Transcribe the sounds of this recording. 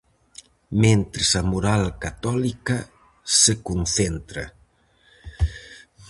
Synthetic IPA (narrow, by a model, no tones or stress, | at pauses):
mẽnt̪ɾesamuɾalkat̪ɔlikɐ | sekunθent̪ɾɐ